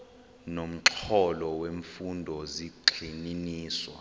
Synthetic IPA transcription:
nom̩ǁʰɔlɔweɱfundʱɔziǃʱininiːswa̰

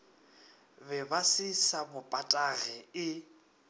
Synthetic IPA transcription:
bɛbasɪsabʊpʼatʼaɣɛɪ

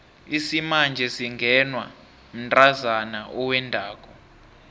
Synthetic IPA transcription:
isimand͡ʒʱɛsiŋɡʱɛnwa | m̩ntʼazanaʔɔwɛndʱaːk̬ʼɔ

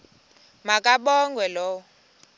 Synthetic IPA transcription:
makʼaɓɔŋɡʱwɛlɔ

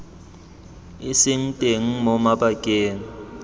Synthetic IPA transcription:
ɪsɪŋ̩tʼeŋ̩mɔmabakʼeːŋ̩

